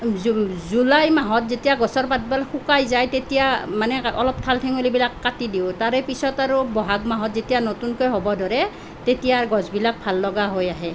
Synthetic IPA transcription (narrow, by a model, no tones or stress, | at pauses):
zulajmaɦɔtzetijaɡɔsɔɹpat̚balxukajzajtetijamanɛɔ̰lɔp̚tʰaltʰɛŋolibilakːatidiʊtaɹɛpisɔtaɹubɔɦaɡmaɦɔtzetijanɔtunkojɦɔbɔdɔɹɛ | tetijaɹɡɔzbilak̚pʰalːɔɡaɦojaɦɛ